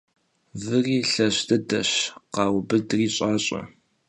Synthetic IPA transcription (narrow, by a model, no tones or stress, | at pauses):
vɨriːɬɐɕdɐdɐɕqɑːwbɨdriːɕʼaːɕʼɐ̰